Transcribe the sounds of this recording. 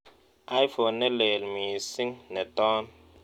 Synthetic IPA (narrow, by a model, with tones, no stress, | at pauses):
a˦jfo˨nːɛ˦le˨lmiː˨si˦ŋnɛ˨tɔː˦n